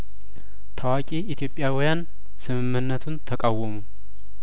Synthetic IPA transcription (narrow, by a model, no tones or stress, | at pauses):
t̪ʰəwakʼiːt̪ʰjo̞pʼjawjan | sɨmɨmːɨnːət̪ʰunt̪ʰəkʼawːɔmu